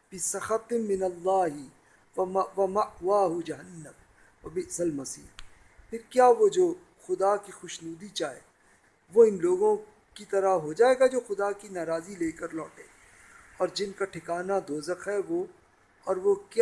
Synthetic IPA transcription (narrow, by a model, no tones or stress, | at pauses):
bɪsɐxɐt̪ɪːɪnɐlːaːɦɪ | ʋɐmɐqwaːɦʊd͡ʒɐɦənːəm | wɐbɪʔsɐlmɐsḭːɾ | pʰɪɾkjaːʋod͡ʒoː | xʊd̪akixʊʃnuːd̪it͡ʃaːḛː | ʋoɪnloːɡõ | kit̪ɐɾaɦod͡ʒaːeːɡad͡ʒoːxʊd̪akinaːɾaːzileːkəɾlɔːʈẽːɡ | ɔːɾd͡ʒɪnkaʈʰɪkaːnad̪oːzəkɦɛʋo | ɔːɾʋokj